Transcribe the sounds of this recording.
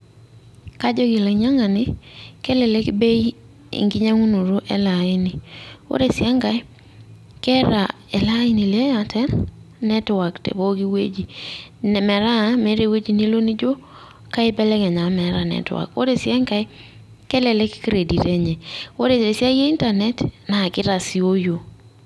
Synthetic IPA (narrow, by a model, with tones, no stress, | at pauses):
ka˦d͡ʒo˦ɡɪ˨la˨ɲa˦ŋa˨nɪ˦kɛ˦lɛ˨lɛ˦kbe˦i˦ | ɪ̰˨ŋɡɪ˦ɲa˦ŋu˦nu˨ɾo˦ʔɛ̰˨la˨ɪ˦nɪ˨o̰˦ɾe˨sja˦ŋɡa˦j | kɛ˦ɾa˨ | ɛ˨la˦ɪ˦ni˨lɛ˦ja˨tʰɛ˦nnɛ˦twa˨ktḛ˨bo˦ɡi˦wḛ˦d͡ʒi˨n˨mɛ˨ɾa˦mɛ˨˦ɾe˨we˦d͡ʒi˨ni˦lo˦ni˦d͡ʒo˦ | ka˦ɪ˦bɛ˦lɛ˦kɛ˨ɲa˨mɛ˨ɾa˨nɛ̰˨twa̰˨kwo̰˦ɾe˨sja˦ŋɡa˦ | kɛ˦lɛ˨lɛ˦ki̥˦ki˦ɾe˨di˨ɾɛ˦ɲɛ˨wo˦ɾe˨se˨sja˦je˦i˦nta˨nɛ˨tna˨kɪ˦ɾa˨si˦o˦jo˨